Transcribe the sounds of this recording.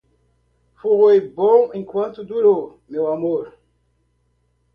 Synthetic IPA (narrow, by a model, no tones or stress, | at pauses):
fuʁwebõŋẽŋkwãnt̪ud̪uɾo | mewamoɾ